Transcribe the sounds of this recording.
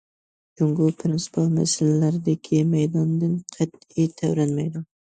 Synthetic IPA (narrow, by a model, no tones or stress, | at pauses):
d͡ʒʊŋɡʊpʰɾɪnsɪ̥pʰɑlma̰sɪallaɾɪd̪ɪkʲʰimajd̪ɒnd̪ɪnqʰɑt̪ | ijt̪ʰawɾanmajd̪ʊn